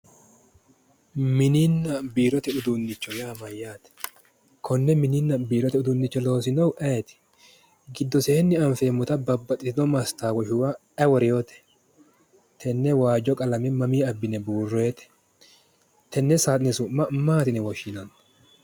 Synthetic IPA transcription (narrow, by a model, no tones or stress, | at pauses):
mɪninːɐbiːɾɔt̪ɛʊd̪ʊnːɪt͡ʃːɔjaːmɐjːaːt̪ɛ̥ | kʰɔnːɛmɪninːɐbiːɾɔt̪ɛʊd̪ʊnːɪt͡ʃːɔlo̞ːsɪnɐwʔɛːt̪ɛ̥ | ɡɪd̪ːɔseːnːɪɐɱfeːmʊt̪ɐbɐbːɐt̪ʼːɪɪnɔmɐst̪aːwɔʃʊwɐ | ɛwɔɾɪjo̞ːt̪ɛ̥ | t̪ʰɛnːɛwaːd͡ʒɔkʼɐlɐmɛmɐmiːɐbːɪnɛbuːrːe̞ːt̪ɛ̥ | t̪ʰɛnːɛsaːt̪ʼnɛsʊmːɐmaːt̪ɪnɛwɔʃɪnɐn